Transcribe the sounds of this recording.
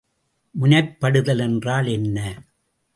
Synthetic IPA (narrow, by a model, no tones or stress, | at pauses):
mʊnɐɾpːɐɽɯðɐlɛndraːlɛnːɐ